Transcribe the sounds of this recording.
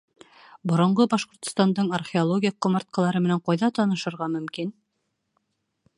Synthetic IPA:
bŏɾŏɴɢɤbɑʃqŏɾt̪ŏ̥st̪ɑnd̪ɤɴɐrχʲeolˠoɡʲijq̚ːŏmɑɾt̪̚qɑlˠɑɾɤmɘ̆næɴqɑjðɑt̪ɑnɤ̆ʃɤ̆ɾʁɑmɵ̆mkin

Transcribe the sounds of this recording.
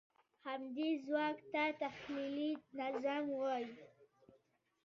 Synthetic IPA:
hamd̪izwakt̪at̪axlilinazamwɔj

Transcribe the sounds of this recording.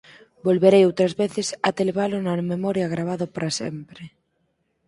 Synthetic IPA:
bolβeɾejowt̪ɾazβeθesat̪eleβalonamemɔɾjaɣɾaβ̞aðopaɾasḛmpɾe

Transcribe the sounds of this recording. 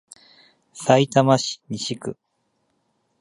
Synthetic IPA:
sait̪amaɕi̥ɲʲiɕikɯ̟

